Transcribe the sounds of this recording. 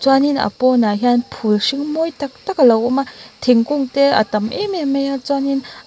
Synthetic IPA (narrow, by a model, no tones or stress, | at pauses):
t͡swaninɐ̰pɔnaɦianpʰulsiŋmɔjtak̚t̪akalɐwumat̪ʰiŋkuŋtɛa̰tɐmʔememejat͡sanin